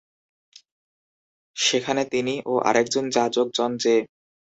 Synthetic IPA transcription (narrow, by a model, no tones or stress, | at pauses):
ʃekʰanet̪iniʔoʔa̰ɾɛk̚d͡ʑond͡ʑad͡ʑok̚d͡ʑɔnd͡ʑe